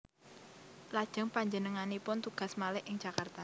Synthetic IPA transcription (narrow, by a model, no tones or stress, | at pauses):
lad̥ʒ̥ə̤ŋpaɲd͡ʒənəŋanipʊnt̪uɡ̥a̤smalɪʔʔɪŋ̥d͡ʒ̥akart̪a